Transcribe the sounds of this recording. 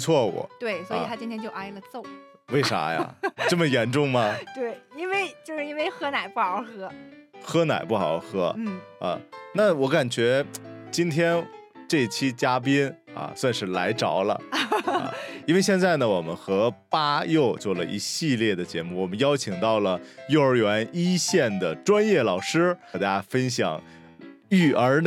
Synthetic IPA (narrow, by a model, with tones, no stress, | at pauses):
pu˧t͡sʰwɔ˥˩wɔ̰˨˩˦t̪we˥˩ɪswɔ˧˥˨t̪ʰa˥t͡ɕĩ˥nt̪ʰjɛ˥nt͡ɕjo˥˧ʊʔa˥ɪlə˨t͡so˥˩ʊ˩we˥˩ɪʂa̰˧˥ja̰˧˩˧ʈ͡ʂɤ˥˩mə˩jɛ˧˥nʈ͡ʂʊ˥˩ŋmɐ˩t̪we˥˩ɪi˥nwe˥˧ɪt͡ɕt͡ɕjo˥˧ʊʂɻ̩˧i˥nwe˥˩ɪxɤ˥na˨˩ɪpu˥˩xɑ˨˧˥ʊxɤ˥xɤ˥na̰˨˩ɪpu˥˩xɑ˨˩ʊxɤ˧˥n̩˥˩ɐ̰˧na˥˩wɔ˧˥ka˨˩nt͡ɕɥɛ˧˥t͡ɕi˥nt̪ʰjɛ˥n | ʈ͡ʂɤ˥˧˩i˩t͡ɕʰi˥t͡ɕja˥p̬i˥nɐ̰˧swa˥˧nʂɻ̩˥˩la˧˥ɪʈ͡ʂɑ˨˩ʊlə̰˧ | i˥nwe˥˧ɪɕjɛ˥˧nt͡sa˥˩ɪnə˩wɔ˨˩mə̰˦nxɤ˧˥pa˥jo˥˧ʊt͡swɔ˥˩lə̰˩ʔḭ˧˥ɕi˥˧ljɛ˥˩d̪ə˩t͡ɕjɛ̰˧˥mu˥˩wɔ˨˩mə˦njɑ˥ʊt͡ɕʰi˨˩ŋt̪ɑ˥˩ʊlə˩jo˥˧ʊə˞˧˥ɥɛ˧˥ni˥ɕjɛ˥˩nd̪ə˩ʈ͡ʂwa˥njɛ˥˩lɑ˨˩ʊʂɻ̩˥˩t̪a˥fə˥nɕjɑ̰˨˩˦ŋ | y˥˩ʔə˞˧˥n